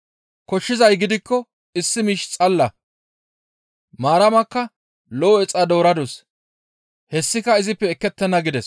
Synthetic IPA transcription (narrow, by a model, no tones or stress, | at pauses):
kɔʃːɪzɐjɡɪd̪ɪkːɔ | ɪsːɪmiːʃt͡sʼɐlːɐ | maːɾɐmɐkːɐ | lɔːɛt͡sʼːɐd̪o̞ːɾɐd̪ɔs | hɛsːɪkɐɪzɪpːɛːkːɛt̪ːɛnːɐɡɪd̪ɛs